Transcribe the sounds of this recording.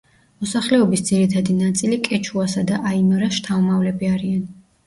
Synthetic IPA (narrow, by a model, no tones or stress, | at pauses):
mɔsaχlɛɔbisd̪ziɾit̪ʰad̪inat̪sʼilikʼɛt͡ʃʰuasad̪aʔaimɔɾasʃt̪ʰaɔmavlɛbiaɾian